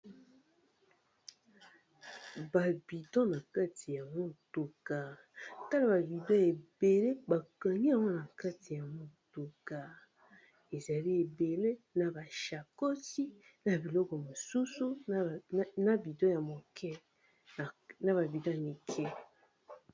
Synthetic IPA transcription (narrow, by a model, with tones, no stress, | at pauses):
ba˨bi˨dɔ̃˦na˨ka˦tʰi˨ja˨mo˦tu˨ka˨ | ta˦la˨ba˨bi˨dɔ̃˦e˨be˨le˦ba˨ka˨ni˦a˨wɔ˦na˨ka˦ti˨ja˨mo˦tu˨ka˨ | e˨za˨li˦e˨be˨le˦na˨ba˨ʃa˨ko˦si˦ | na˨bi˨lɔ˦kɔ˨mo˨su˦su˦ | na˨bi˨dɔ̃˦ja˨mo˨kʰɛ˦˨ | na˨ba˨bi˨dɔ̃˦˨mi˨kʰɛ˦